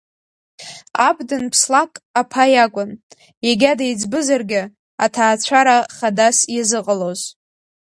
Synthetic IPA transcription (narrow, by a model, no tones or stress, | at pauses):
abdɨnpʰslakʼapʰajakʷʼʊn | jaɡʲadajd͡zbɨzarɡʲɪ | atʰaːt͡ɕʷʰaɾaχadasjazɨqʼəloz